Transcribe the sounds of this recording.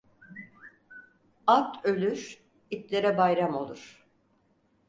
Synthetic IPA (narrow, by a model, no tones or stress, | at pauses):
at̪ʰølʲyɾ | it̪lʲeɾɛbajɾamo̞lˠuɾ̥